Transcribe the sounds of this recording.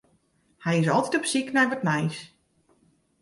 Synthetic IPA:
hɛjɪsɔlˠtitɔpsiknɛjʋɔtmɛjs

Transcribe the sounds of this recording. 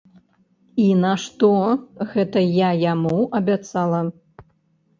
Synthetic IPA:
inɐʂt̪ɔɣɛt̪ɐjajamuɐbʲat̪salˠɐ

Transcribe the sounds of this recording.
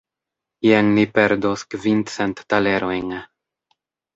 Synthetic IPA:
jeŋnipeɾd̪oskvinsɛnt̪ːaleɾojŋ

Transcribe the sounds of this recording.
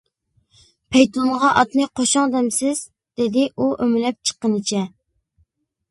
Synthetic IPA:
pʰɛjt̪onʁɑʔɑt̪nɨqʰoʃɑŋd̪ɛmsɪz̥ | d̪̥ɪd̪ɪʔuʔømɪlɛp̚t͡ʃʰə̥qːənɨt͡ʃʰɛ

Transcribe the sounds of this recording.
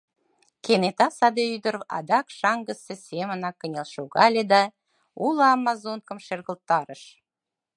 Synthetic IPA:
kenet̪ɑsɑd̪eyd̪əɾɑ̰d̪ɑkʃɑŋɡəsesemənɑkːənʲelʃoɣɑlʲed̪ɑ | uləɑmːɑzonkə̆mʃerɣə̆lt̪ːɑɾəʃ

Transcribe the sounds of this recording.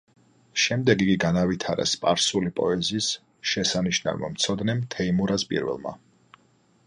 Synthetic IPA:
ʃɛmd̪ɛɡiɡiɡanavit̪ʰaɾɛ̰spʼaɾsulipʼɔɛziːs | ʃɛsaniʃna̰vma̰mt̪sʰɔd̪nɛmt̪ʰɛimuɾaspʼḭɾvɛ̰lˠma̰

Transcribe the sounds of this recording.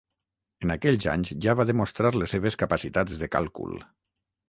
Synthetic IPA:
enakɛʎza̰ɲzʒaβaðəmost̪ɾaɾlesːeβ̞eskapasit̪ad͡zðəka̰lˠkṵlˠ

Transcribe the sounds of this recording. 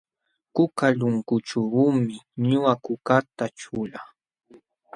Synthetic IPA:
kʊkaʎʊŋkʊʈ͡ʂuɾumɪɲʊakʊkat̪at͡ʃʊla

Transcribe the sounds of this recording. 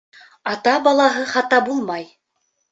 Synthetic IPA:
ɑt̪ɑbɑlˠɑɦɤχɑt̪ɑbulˠmɑj

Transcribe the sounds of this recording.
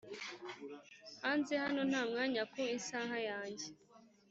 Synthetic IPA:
hanzehano̞n̥aːmŋaːɲakoinsaːɦajaːɲɟe

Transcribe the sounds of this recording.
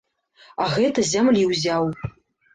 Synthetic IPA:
aɣɛtʰɐzamliwzaːw

